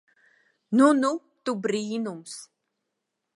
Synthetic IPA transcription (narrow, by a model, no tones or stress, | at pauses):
nunu | t̪ubɾiːnums